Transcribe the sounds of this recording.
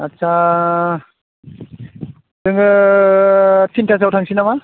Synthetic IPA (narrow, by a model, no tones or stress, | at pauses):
atsʰa | dɯŋɡɯ | tʰintʰazawtʰaŋsinama